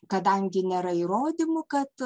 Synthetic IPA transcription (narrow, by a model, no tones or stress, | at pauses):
kɐd̪ɐŋʲɡʲɪnʲeːɾɐiɾoːd̪ʲɪmʊkɐt̪